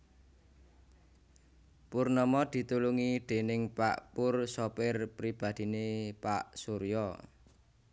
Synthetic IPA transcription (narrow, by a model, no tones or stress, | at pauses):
purnɔmɔd̪̥i̤t̪uluŋid̪̥e̤nɪŋpa̰ʔpʊrsɔpɪrpɾib̥a̤d̪̥i̤nepaʔsuɾjɔ